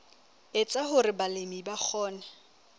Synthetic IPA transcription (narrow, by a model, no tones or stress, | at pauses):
ɪt͡sʼaɦʊɾɪbalemibak͡xʰɔːna